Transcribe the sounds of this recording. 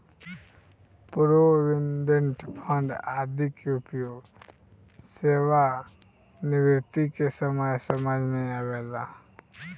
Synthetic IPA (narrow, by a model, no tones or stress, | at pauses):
puɾoɾɪnɖə̃ɳʈpʰə̃ɳɖaːd̪ʱikeʊpjoːɡ | seːʋa | nɪʋɪɾt̪ikesəməjsəməd͡ʒʱmẽaːweːla